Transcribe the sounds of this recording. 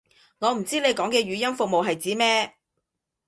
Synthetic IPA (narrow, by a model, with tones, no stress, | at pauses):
ŋɔː˨˧m̩˨˩t͡siː˥ne˨˧jkɔː˨˥ŋkɛː˧ɥyː˨˧jɐ˥nfʊ˨k̚mo˨wɦɐ˨jt͡siː˨˥mɛː˥